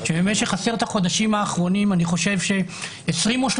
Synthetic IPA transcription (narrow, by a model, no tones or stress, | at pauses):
ʃebemeʃeχaseʁt̪aχo̞d̪aʃimhaːχʁo̞nimaniχo̞ʃe̞vʃe̞ | esʁimoʃ